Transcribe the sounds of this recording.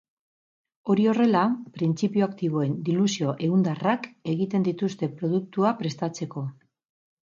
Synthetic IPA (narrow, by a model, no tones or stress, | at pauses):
o̞ɾio̞re̞lapɾint͡sipioakt̪iβo̞e̞nd̪ilusio̞ʔe̞und̪arake̞ɣit̪e̞nd̪it̪ust̪e̞pɾo̞ð̞uk̚t̪uapɾe̞st̪at͡se̞ko̞